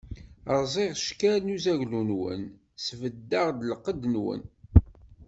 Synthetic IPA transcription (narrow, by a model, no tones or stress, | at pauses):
əɾˤzˤeʁʃkælnuzæʝlunwə̰n | svəd̪ːaʁd̪ləqːəd̪nwə̰n